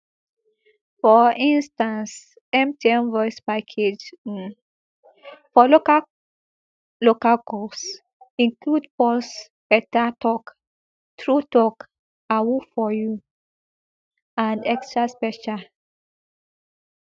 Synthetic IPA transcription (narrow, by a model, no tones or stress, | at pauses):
fɔĩnstãns | ɛ̃mtiɛ̃mvɔjspakʰed͡ʒ̩ | fɔloka | lokalkɔs | ĩŋkludpɔls | bɛtatɔk | tɹutɔk | awufɔju | ãndɛkstɹaspɛt͡ʃa